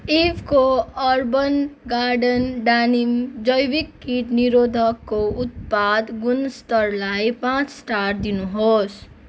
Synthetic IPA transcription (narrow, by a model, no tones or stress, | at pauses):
ibʰkoʌɾbənɡaɾɖənɖanimd͡ʒʌjwikːiʈniɾod̪ʱʌkːout̪̚pad̪ɡunst̪ʌɾlajpãt͡ssʈaʈ̚d̪inuɦos